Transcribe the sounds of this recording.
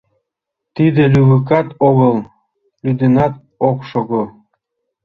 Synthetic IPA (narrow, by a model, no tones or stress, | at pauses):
t̪id̪ĕlʲyβɯk̬ɑt̪oɣɤlˠ | lyd̪enɑt̪̚ | okʃoɣo